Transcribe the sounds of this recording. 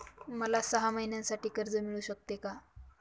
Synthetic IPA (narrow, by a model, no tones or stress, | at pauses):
məlasəɦaməɦinjãnsaʈiːkəɾd͡zəmiɭuːɕək̚t̪eka